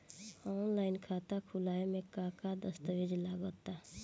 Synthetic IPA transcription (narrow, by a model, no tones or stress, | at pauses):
ɔːnlaːɪnkʰaːt̪akʰʊlaːemẽkakad̪əst̪əʋed͡ʒlaːɡot̪a